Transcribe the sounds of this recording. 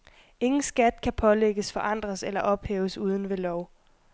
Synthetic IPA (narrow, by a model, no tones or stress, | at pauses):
e̝ŋn̩sɡ̥æd̥kʰæpʰɒ̽leɡ̥əsfɒ̽ʔɑ̈n̰d̥ʁɐselɐʔɒ̽b̥hḛːʊəsuːð̞ˠn̩ʋe̝lɒʊ̰